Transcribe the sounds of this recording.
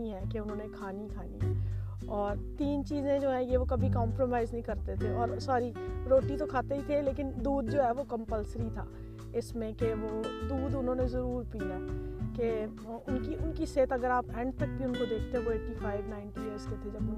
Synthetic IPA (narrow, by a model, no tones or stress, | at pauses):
iɦɛːkeʊnɦõːnekʰaːnikʰaːniɦɛː | ɔːɾt̪iːnt͡ʃiːzẽd͡ʒoːɦɛ̃jeʋokɐbʱikɔ̃ːmpɾoːmaːɪznɐɦĩkɐɾt̪et̪ʰeɔːɾsaːɾiɾoːʈit̪okʰaːt̪eɦit̪ʰeleːkɪnd̪uːd̪̚d͡ʒoːɦɛʋokə̃mpəlsəɾit̪ʰa̰ː | ɪsmẽkeʋod̪uːd̪ʊnɦõːnezɐɾuːɾpiɛːke | ʊnkiʊnkiseːt̪ɐɡəɾaːpɛ̃ːɳɖt̪ɐk̚bʱiʊ̃nkod̪eːk̚ʰt̪ẽɦɛ̃ʋoeːʈifʰaːɪʋnaːɪɳʈieəɾsket̪ʰed͡ʒɐbʊn